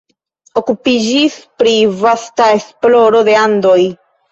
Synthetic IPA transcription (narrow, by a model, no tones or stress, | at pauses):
o̞kupid͡ʒispɾivastae̞splo̞ɾo̞d̪e̞and̪o̞j